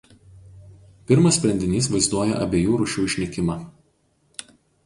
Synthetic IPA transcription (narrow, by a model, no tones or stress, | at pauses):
pʲɪɾmɐssʲpʲɾʲɛnʲd̪ʲɪnʲiːs̬ʋɐɪzd̪uɔjɛ̰ʔɐ̰bʲeːjuːɾʊʃʲuːɪʃʲnʲɪkʲɪmɑːˑ